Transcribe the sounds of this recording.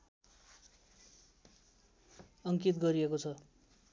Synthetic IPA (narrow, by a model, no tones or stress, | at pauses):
ʌŋkit̪ɡʌɾiekot͡sʰʌ